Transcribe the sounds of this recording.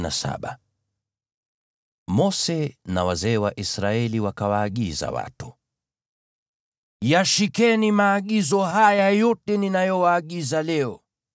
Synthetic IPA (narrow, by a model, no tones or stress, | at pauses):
na̰sa̰ɓa | mɔsɛna̰wazɛːwaʔisɾaɛliwakawaːɠiza̰wa̰tu̥ | jaʃikɛnimaːɠizɔɦajajɔtɛninajɔwaːɠizalɛɔ